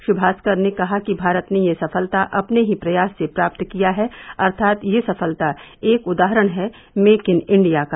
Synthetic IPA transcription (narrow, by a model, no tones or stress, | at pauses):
ʃʊbʱaːskəɾnekɐɦakibʱaːɾət̪nejesɐfəlt̪aʔɐpneɦipɾɐjaːsːepɾaːp̚t̪kijaɦɛɐɾt̪ʰaːt̪jesɐfəlt̪aeːkʊd̪aːɦɾəɽ̃ɦɛ | meːkɪnɪ̃ɳɖijaka